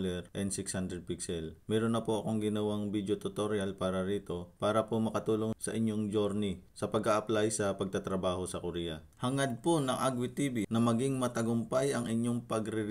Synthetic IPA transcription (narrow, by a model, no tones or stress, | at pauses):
lɛɾʔɛnd̪sɪkshand̪ɾɛd̪̚piksɛlmɛːɾonːɐpoʔɐko̞ŋɡɪnɐwaŋbid̪jot̪ʊt̪oɾjalpaːɾɐɾiːt̪o̞paːɾɐpomɐkɐt̪uːlo̞ŋsɐ̰ʔɪɲːoŋd͡ʒoɾnisɐpɐɡaʔɐplajsɐpɐɡ̚t̪at̪ɾɐbaːho̞sɐkoɾiːjɐ | hɐŋɐd̪̚ponɐŋʔaɡwit̪iːbinɐmɐɡiŋmɐt̪ɐɡʊmpajɐŋɪɲːoŋpɐɡɾɪɾ